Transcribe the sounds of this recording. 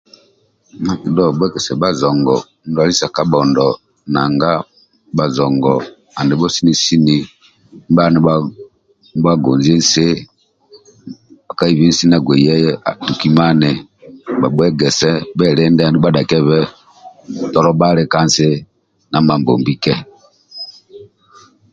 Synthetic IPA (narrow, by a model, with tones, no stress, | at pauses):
ma˦˨ki˨dɔ˦˨bwɛ˦ɡɛ˨sɛ˨ba˨zɔ˨ŋɡɔ˨˦n˦dwa˦li˦sa˨ka˦ɓɔ˨ndɔ˨ | na˨ŋɡa˦ | ba˨zɔ˨ŋɡɔ˨ | a˨ndɛ˨bɔ˦si˦ni˦si˦ni˨˦ | ba˦nɛ˦ | ba˦ɡɔ˨nzi˦n˦se˦ | ba˨ka˦i˦βi˦n̩˦si˦na˨ɡwɛ˨jɛ˦jɛ˦a˨du˨ki˦ma˦nɛ˨ | ba˨bwɛ˦ɡɛ˨sɛ˦bɛ˦˨ɾɛ˦ndɛ˦a˨nu˦ɓa˦da˨kɛ˦βɛ˦˨ | tɔ˦lɔ˦ɓa˦ɾɛ˦ka˦n˨se˦ | na˨ma˨mbɔ̰˨mbi˦kɛ˦